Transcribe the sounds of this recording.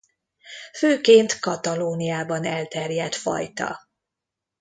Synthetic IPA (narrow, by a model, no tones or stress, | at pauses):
føːkeːnt̪kɒt̪ɒloːnijaːbɒnɛlt̪ɛrjɛt̪fɒ̰jt̪ɒ̰